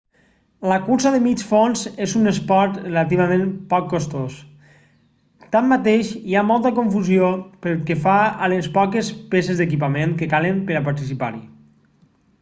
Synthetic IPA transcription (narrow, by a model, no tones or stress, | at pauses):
ləkuɾsaðəmit͡ʃfonzezunespɔɾt̪rrelat̪iβamẽmpɔkːost̪os | t̪amːat̪eʃiamɔlˠt̪əkoɱfuziopəɾlˠkefaalespɔkespesezd̪ək̬ip̬amenkəkaləmpəɾapaɾt̪isipa̰ɾi